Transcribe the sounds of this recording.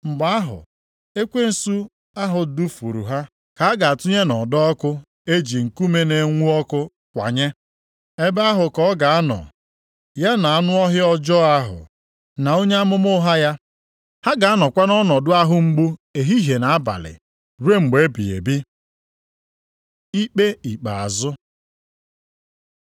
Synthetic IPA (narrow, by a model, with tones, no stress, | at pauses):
ŋ͡m̩˨ɡ͡ba˦a˦ɦʊ̰˨ | e˦kʷe˦n̩˨˦su˦ | a˦ɦʊ˨du˦fṵ˨ɾṵ˨ɦa˦ | ka˨a˦ɡa˨a˨tʊ˦ɲe˦nɔ̰˨dɔ˦kʊ˦ | e˦d͡ʒi˨ŋ̩˨ku˦me˦ne˨ŋʷu˦ɔ˦kʊ˦ | kʷa̰˨ɲe˦ | e˦be˦a˦ɦʊ˨kɔ˦ɡa˨a˦nɔ̰˨ | ja˦na˨a˦nʊ˦ɔ˦ɦɪ˦ɔ˦d͡ʒɔ˦a˦ɦʊ̰˨ | na˨o˦ɲe˦a˦mʊ˦mʊ˦ɦa˦ja˦ | ha˦ɡa˨a˦nɔ˨kʷa˦nɔ˦nɔ˨dʊ˦a˦ɦʊ˦ŋ͡m̩˦ɡ͡bu˦e˨ɦi˦ɦe˨na˨a˦ba̰˨lɪ̰˨ | ɾe˦ŋ͡m̩˨ɡ͡be˨˦bi˨ḛ˨bi˦ | i˦k͡pe˦i˨k͡pa˨a˨zʊ˦